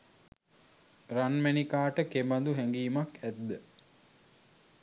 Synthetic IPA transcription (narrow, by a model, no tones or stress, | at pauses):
ranmænikaːʈəkemand̪uɦæŋɡiːmakæd̪ːə